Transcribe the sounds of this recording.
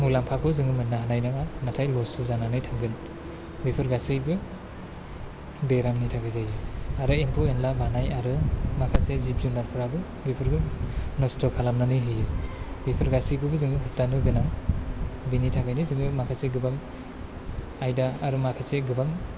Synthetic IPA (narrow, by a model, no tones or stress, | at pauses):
mulampʰakʰɯzɯŋɯmɯnːaɦanajnaɡanatʰajlɔsɯzananɯjtʰaŋɡɯn | bipʰɯɾɡasijbɯ | beɾamnitʰaɡɯjzajɯaɾɯempʰoenlabanajaɾɯmakʰasezipzunaɾpʰɯɾabɯ | bipʰɯɾɡɯnɔstʰɔkʰalamnanɯjɦɯjɯ | bipʰɯɾɡasijbɯbɯzɯŋɯɦɯp̚tanɯɡɯnaŋ | binitʰaɡajnɯzɯŋɯmakʰaseɡɯbaŋ | ajdaːɾɯmakʰaseɡɯbaŋ